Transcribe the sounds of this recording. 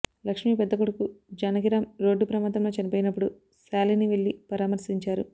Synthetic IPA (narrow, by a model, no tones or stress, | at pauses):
lɐkʂmiːpɛd̪ːɐkuɽukud͡ʒɐnɐɡiɾɐmɾo̞ːɖːupɾɐmaːd̪ɐmlo̞ːt͡ʃɐnipoːjinɐpːuɽu | saːliniʋeɭːipɐɾaːmɐɾsiɲt͡ʃaːɾu